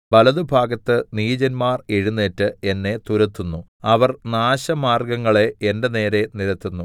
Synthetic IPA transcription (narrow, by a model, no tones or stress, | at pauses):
bɐlɐðubʱaːɡɐt̪ːɨniːd͡ʑɐnmaːreɻunːeːtːɨe̞nːe̞t̪uɾɐt̪ːunːu | ɐʋɐrnaːɕɐmaːrɡɐŋːɐɭe̞ende̞ne̞ːɾe̞niɾɐt̪ːunːu